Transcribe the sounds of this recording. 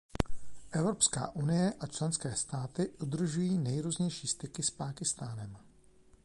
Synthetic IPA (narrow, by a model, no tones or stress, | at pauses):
ʔɛvɾo̞pska̰ːʔunɪjɛʔat͡ʃlɛnskɛːst̪aːt̪ɪʔud̪r̩ʒujiːnɛjɾuːzɲɛjʃiːst̪ɪkɪspaːkɪst̪aːnɛm